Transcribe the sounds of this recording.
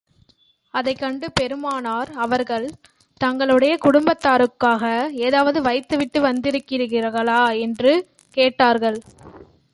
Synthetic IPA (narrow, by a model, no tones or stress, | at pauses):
ɐðɐɪkːɐɳɖɯpɛɾɯmaːnaːɾɐʋɐɾɣɐɭ | t̪ɐŋɡɐɭɯɽɐjɐkʊɽʊmbɐt̪ːaːɾɯkːaːɣɐeːðaːʋɐðɯʋɐɪt̪ːɯʋɪʈːɯʋɐnd̪ɪɾɯkːɪɾɯɣɪrɐɣɐɭaːɛndrɯ | keːʈːaːɾɣɐɭ